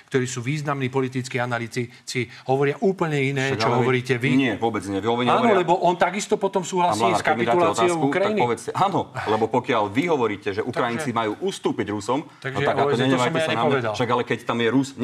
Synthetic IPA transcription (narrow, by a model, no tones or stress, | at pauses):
kt̪ɔɾiːsuːʋiːznamniːpɔlit̪it͡skiːanaliːt͡si | t͡si | ɦɔʋɔɾɪaʔuːpl̩ɲɛinɛːɡt͡ʃɔɦɔʋɔɾiːcɛʋiɲɪɛʋʊɔbɛd͡zɲɪɛʋiɔaːnɔlɛbɔʔɔnt̪aɡist̪ɔpɔt̪ɔmsuːɦlasaiskpiulaaɔtt͡s̪aiɔʊukɾajjiniɔʋɛt͡scɛʔaːnɔlɛbɔpɔkɪalʋiɦɔʋɔɾiːcɛʒɛʔukɾajint͡simajuːʔust̪uːpiɟɾusɔmt̪aɡʒat̪akaɔɲɛɲɔsɔmaaɲɛapɔʋɛd̪alʃaɡalɛkɛct̪amjɛɾusɲ